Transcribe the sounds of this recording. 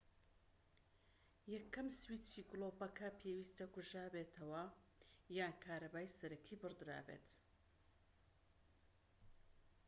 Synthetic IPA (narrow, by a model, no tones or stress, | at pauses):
jɐkʰːɐmswiːtiːɡlˠoːbɐkʰɐpʰewiːst̪ɐɡuʒaːbeːt̪ʰɐwɐ | jaːnkʰaːɾɐbaːjsɐɾɐkʰiːbɨrd̪ɨɾa̰ːbḛːt̪